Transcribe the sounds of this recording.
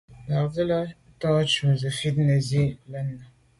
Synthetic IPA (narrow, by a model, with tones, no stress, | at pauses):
la˨zə˦la˦ | tɔː˦t͡ʃu˨zə˨fi˦t̚nə˨zi˦lə˦nːə˨